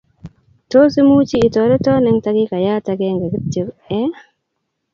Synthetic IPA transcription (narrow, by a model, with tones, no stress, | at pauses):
to˦si˦mu˦t͡ʃiː˦˨to˨ɾɛ˦to˦nɛ˦ŋta˦ɡi˦ka˨ja˦ta˨ɡe˦ŋɡe˨ɡi˦tːi˨ɾɛ˦